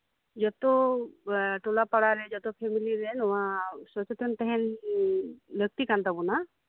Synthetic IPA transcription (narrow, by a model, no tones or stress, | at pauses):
d͡ʒɔt̪ɔ | ʈulapaɽaɾɛd͡ʒɔt̪ɔpʰemiliɾɛnumasɔt͡ʃɔt̪ʰɔnt̪ɛɦɛn | bjək̚t̪ikant̪abuna